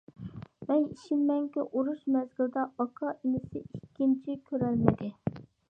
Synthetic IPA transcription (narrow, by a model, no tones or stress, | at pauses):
mɛniʃimːɛŋkʲɪʔuɾuʃmɛzɡʲɪld̪ɑɑkʰɑʔinɪsɪ̰ikʲːint͡ʃʰikʲʰøɾælmɪd̪ɪ